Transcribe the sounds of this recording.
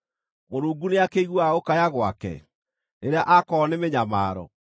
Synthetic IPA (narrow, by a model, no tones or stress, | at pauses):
moɾuːɡuneakeiɣwaokajaɣwakɛ̰ | neɾeaʔakɔnemeɲamaːɾɔ̰